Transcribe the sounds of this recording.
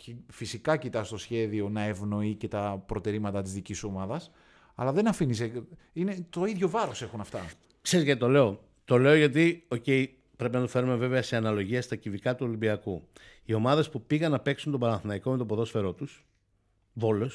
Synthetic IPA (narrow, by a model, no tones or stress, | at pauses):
cefisikɐcit̪ɐst̪o̞sçe̞ðio̞nɐe̞vno̞ice̞t̪ɐpɾo̞t̪e̞ɾimɐt̪ɐt̪izðiciso̞mɐðɐs | ɐ̰lɐðe̞nɐfinise | ine̞t̪o̞iðʝo̞vɐɾo̞se̞xunɐft̪ɐ | kse̞ɾizʝɐt̪it̪o̞le̞o | t̪o̞le̞oʝɐt̪io̞ce̞i | pɾe̞pinɐt̪u̥fe̞ɾume̞ve̞veɐse̞ɐnɐlo̞ʝiɐst̪ɐcivikɐt̪uolimbiɐku | io̞mɐðe̞spupiɣɐnːɐpe̞ksunt̪o̞bɐɾɐnθinɐikome̞t̪o̞poðo̞sfe̞ɾo̞t̪us | vo̞lo̞s